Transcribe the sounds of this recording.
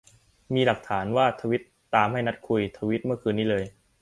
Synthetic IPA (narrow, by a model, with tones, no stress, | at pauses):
miː˧la˨˩k̚t̪ʰaː˩˦nwaː˥˩t̪ʰaː˧wi˦˥t̪̚ːaː˧mɦa˥˩jna˦˥t̪̚kʰu˧jt̪ʰa˧wi˦˥t̪̚mɯ˥˩ɐkʰɯː˧nːiː˦˥lɤː˧j